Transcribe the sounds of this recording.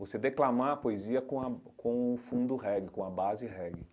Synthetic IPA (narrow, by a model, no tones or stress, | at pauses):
vosed̪eklamaɐpoeziɐkõɐkõʊfũnd̪ʊɦɛɡɪkõɐbazɪɦɛɡɪ